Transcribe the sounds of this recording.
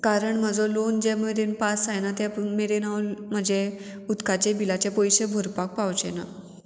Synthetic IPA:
kaɾəɳm̤əd͡zolond͡ʑemeɾenpasajnat̪jameɾenawlm̤əd͡ʑe | ud̪kat͡ɕebilat͡ɕepɔjɕebʱuɾpak̚pawt͡ɕena̰

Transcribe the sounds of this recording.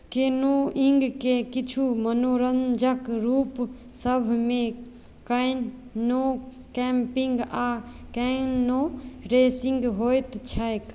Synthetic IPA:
kenoiŋɡkekit͡ʃʰumənoɾənd͡ʒəkɾuːp | səbʱmẽ | kəjn | o | kɛmpiŋɡa | kənːoɾesĩŋɡɦojt̪t͡ʃʰəjk

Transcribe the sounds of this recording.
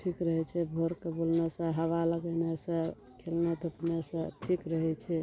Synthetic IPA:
ʈʰikɾəɦɛt͡ʃʰɛbʱoɾkebolnesə̃ɦəʋaləɡənesə̃ | kʰelned̪ʱupnesə̃ʈʰikɾəɦɛt͡ʃʰɛ

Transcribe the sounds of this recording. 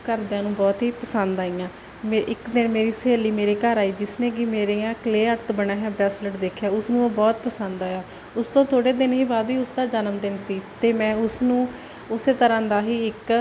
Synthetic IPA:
kəɾd̪eãːnũːbɔːt̪ɦiːpəsənd̪aːiːjãː | eʔɪkd̪ɪnmeːɾiːseːliːmeːɾeːkəɾaːiːd͡ʒɪsnẽːk̬ɪmeːɾeːãːkleːəɾt̪bəɳaːɦɛːbɾɛːsləʈd̪eːkʰjaːʊsnũːoːbɔːt̪pəsənd̪aːjãː | ʊst̪õːt̪ʰoːɽeːd̪ɪnɦiːbaːd̪iːʊsd̪aːd͡ʒənəmd̪ɪnsiːt̪eːmɛ̃ːʊsnũː | ʊseːt̪əɾãːd̪aːɦiːɪk

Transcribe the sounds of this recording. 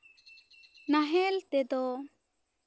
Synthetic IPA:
naɦɛlt̪ɛd̪ɔ

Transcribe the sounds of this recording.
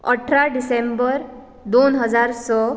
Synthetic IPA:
ə̰ʈʰɾaɖisembəɾ | d̪onɦəd͡zaɾsɔ

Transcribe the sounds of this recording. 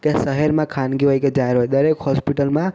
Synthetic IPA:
kesəɦɛɾmãkʰanɡiɦojked͡ʒaɦeɾɦojd̪əɾekhɔspiʈəlmã

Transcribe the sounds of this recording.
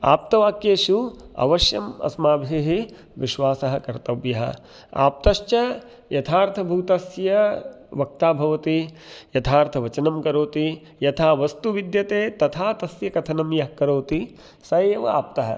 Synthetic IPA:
a̰ːp̚t̪ɐʋaːkjeːʃuɐ̰ʋɐʃjɐmɐ̰smaːbʱiɦi | ʋiʃʋaːsɐɦɐ̆kɐɾt̪ɐʋjɐɦɐ̰ | a̰ːp̚t̪ɐʃt͡ʃɐ | jɐt̪ʰaːɾt̪ʰɐbʱuːt̪ɐsjɐ | ʋɐk̚t̪aːbʱɐʋɐt̪ijɐt̪ʰaːɾt̪ʰɐʋɐt͡ʃɐnɐmkɐɾoːt̪i | jɐt̪ʰaːʋɐst̪uʋid̪jɐt̪eːt̪ɐt̪ʰaːt̪ɐsjɐkɐt̪ʰɐnɐmjɐɦkɐɾoːt̪i | sɐːʋɐ̰a̰ːp̚t̪ɐɦɐ̰

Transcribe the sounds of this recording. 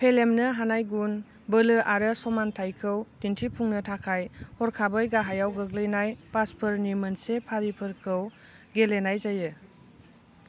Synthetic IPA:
pʰelemnɯɦanajɡun | bəlɯʔaɾɯsɔmantʰajkʰɯwtintʰipʰuŋnɯtʰakʰajhɔɾkʰabɯjɡaɦajawɡɯɡlɯjnajpaspʰɯɾnimɐnsepʰaɾipʰɯɾkʰɯw | ɡelenajzajɯ

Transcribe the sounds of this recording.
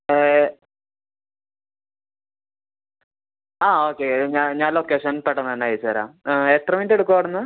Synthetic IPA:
aːoːkːeɲaːɲaːnlokːeʂɐnpeʈːɐnːɐɐnːaːjt͡ɕːaːɾa̰ːeʈrɐmendeɽukːɐɐɽunːɐ

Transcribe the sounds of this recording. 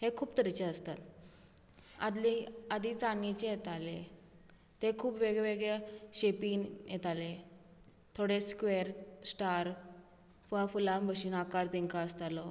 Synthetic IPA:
hekʰuːpt̪əɾit͡ɕeəst̪at̪ | a̰d̪liad̪it͡sanit͡ɕejet̪ale | t̪ekʰuːpʋeɡɭeʋeɡɭeɕepiːnjet̪ale | t̪ʰoɽeskʋeɾsʈaɾ | fafulambʱəɕinakaɾt̪eŋkaəst̪alɔ

